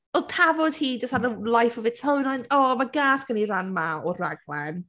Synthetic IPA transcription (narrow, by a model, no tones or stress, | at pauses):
ɔlˠtʰavɔd̥hiːd͡ʒəstadəlˠajfɔvɪsʰownajnʰɔmaɡaːsɡ̥əniranmaɔraɡlɛn